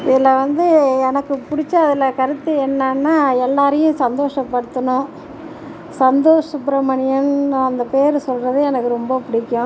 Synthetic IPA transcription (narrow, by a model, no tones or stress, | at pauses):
ɪðɪlɐʋɐnd̪ɯɛnɐkːɯpʊɽɪt͡ʃːɐɐðɪlɐkɐɾɯt̪ːɯɛnːɐnːaːɛlːaːɾɐjʊ̃sɐnd̪oːʂɐpːɐɽɯt̪ːɐnʊ̃ | sɐnd̪oːʂʊpɪɾɐmɐɳɪjɐnɐnd̪ɐpeːɾsɔlrɐðɯɛnɐkːɯɾɔmbɐpɪɽɪkːʊ̃